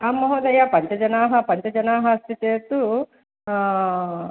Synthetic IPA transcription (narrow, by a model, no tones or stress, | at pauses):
aːmːɐɦoːd̪ɐjaːpɐɲt͡ʃɐd͡ʒɐnaːɦɐpɐɲt͡ʃɐd͡ʒɐnaːɦɐɐst̪it͡ʃeːɾt̪u